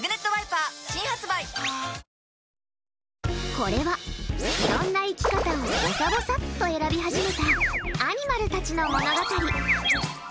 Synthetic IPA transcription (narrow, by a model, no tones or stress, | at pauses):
ɡɯ̟ne̞t̪ːoβaipaːɕĩɰ̃hat͡sɨbai | ko̞ɾe̞βaɕkinõnːaikʲi̥kat̪amoosabosat̪ːo̞e̞ɾabʲiɦaʑime̞t̪aaɲ̟imaɾɯ̟t̪at͡ɕino̞mo̞no̞ɡakaɾʲi